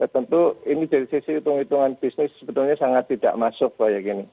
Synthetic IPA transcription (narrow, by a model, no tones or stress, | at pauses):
t̪ət̪ənt̪uinid̥adisisiit̪uŋit̪uŋanb̥isnɪsːəbət̪ʊlɲasaŋat̪ːid̥a̰ʔmasʊk̚bajakini